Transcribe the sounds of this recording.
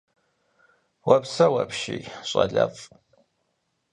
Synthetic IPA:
wɐpsɐwɐpʃiɕʼɐɮɐfʼ

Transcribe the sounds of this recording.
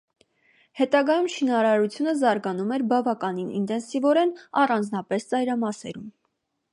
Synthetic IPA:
hɛt̪ɑɡɑjumʃinɑɾɑɾut͡sʰjunəzɑɾɡɑnumɛɾbɑvɑkɑninḭnt̪ɛnsivɔɾɛnɑrɑnd͡znɑpɛst͡sɑjɾɑmɑsɛ̰ɾum

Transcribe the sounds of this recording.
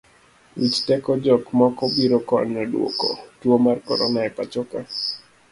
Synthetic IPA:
it͡ʃtɛkɔd͡ʒɔkmɔkɔbiɾɔkɔnɛdwo̰kɔ̰twomarkɔ̰ɾɔnaɛpa̰t͡ʃoka

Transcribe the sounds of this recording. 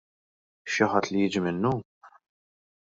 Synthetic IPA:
ʃɪħɐt̪ːlijɪːd͡ʒimɪnːu

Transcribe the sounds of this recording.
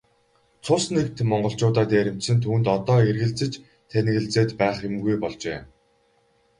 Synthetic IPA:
t͡sʰʊsnek̚t̪mɔɴɢɞ̆ɬt͡ɕʊːt̪aːt̪eːɾʲɪ̆m̥t̪sɘ̆nt̪ʰuːnt̪ɔt̪ɔːerɣɘ̆ɮt͡sɘ̆t͡ɕ | t̪ʰenɣɘ̆ɮt͡seːt̪pæːχʊmɡujpɔɮt͡ɕḛː

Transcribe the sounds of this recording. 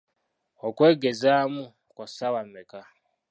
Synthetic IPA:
okweːɡezamu | kosawameka

